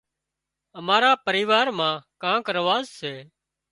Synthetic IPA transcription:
əmaːɾaːpəɾiːʋaːɾmãːkãːkɾəʋaːzseː

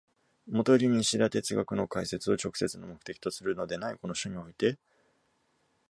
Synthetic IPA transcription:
mo̞t̪oɾʲiɲ̟ĩɕiɾat̪e̞t͡sɨɡakɯ̟no̞kaise̞t͡sɨo̞t͡ɕo̞kɯ̥se̞t͡sɨnomo̞kɯ̟̥t̪e̞kʲi̥t̪osɨɾɯ̟no̞d̪e̞naiko̞no̞ɕoɲ̟io̞it̪e̞

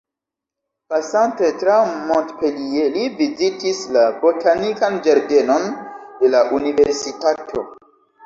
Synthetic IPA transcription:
pasante̞tɾamontpelie̞livizitislabo̞tʰanikand͡ʒaɾde̞no̞nde̞laʔunive̞ɾsitatʰo̞̰

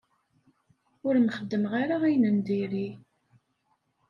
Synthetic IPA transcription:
ʊɾmχəd̪ːəmʁaɾaijnənd̪iɾi

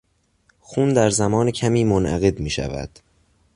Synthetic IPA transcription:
xuːnd̪æɾzæmɒːnecʰæmiːmonʔæ̰ɣe̞d̪miːʃæ̰væ̰d̪̥

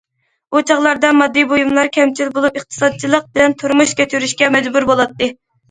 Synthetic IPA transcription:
ut͡ʃʰɑʁlˠɑɾd̪ɑmɑd̪ːɨjbojumlˠɑɾkʲʰɛmt͡ʃʰilbolˠupɨχt̪ʰɨ̥sɑd̪̚t͡ʃʰilˠəq̚bɪlɛnt̪ʰuɾmuʃkʲet͡ʃ̪ʰyɾyʃkʲɛmɛd͡ʒbuɾbolˠɑt̪ːɨ

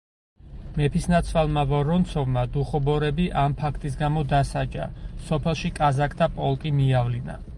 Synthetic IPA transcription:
mɛpʰisnat̪sʰvwalˠmavɔɾɔnt̪sʰɔvmad̪uχɔbɔɾɛbiʔampʰakʰt̪ʼis̬ɡamɔd̪asad͡ʒa̰sɔpʰɛlˠʃikʼazakʰt̪ʰapʼɔlˠkʼimiavlina̰

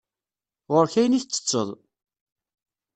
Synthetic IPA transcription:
ʁʊɾçæjəniθt͡sːə̥t͡sːəðˤ

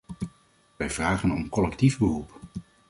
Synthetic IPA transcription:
ʋɛjv̥raːχənɔmkɔlɛktivbərup

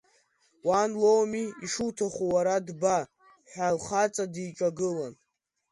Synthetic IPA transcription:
wanlowmiiʂutʰaχuwaɾadba | ħʷᶣalχat͡sʼadiʈ͡ʂʼaɡɨlan

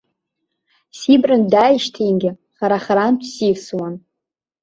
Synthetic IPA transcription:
sibrɨndajiʃtʰijnɡʲɪ | χaɾaχaɾant͡ʃʷʰsifswan

